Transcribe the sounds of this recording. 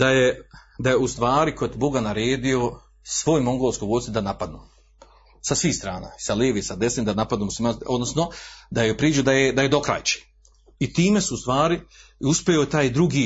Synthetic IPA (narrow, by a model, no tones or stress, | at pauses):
d̪aje | d̪ajeust̪ʋaːɾikʰo̞d̪bo̞ɡanaɾeːd̪io̞ | sʋo̞ːjmoŋɡolˠoskoɡosid̪anapad̪nuː | sasʋiːhst̪ɾaːna̰isaleːʋisad̪esnimd̪anapad̪nuːmuslˠimanod̪nosnod̪ajopɾiːd͡ʒud̪ajed̪aje̞d̪o̞kɾa̰ːjt͡ʃi̥ | it̪iːme̞suːst̪ʋaːɾi | uspejot̪aːjd̪ɾuɡiː